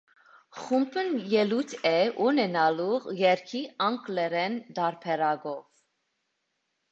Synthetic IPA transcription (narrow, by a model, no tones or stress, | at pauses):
χumbʰənjɛlut̪ʰɛunɛnɑlujɛɾkʰiɑŋklɛɾɛnd̪ɑɾpʰɛɾɑɡɔv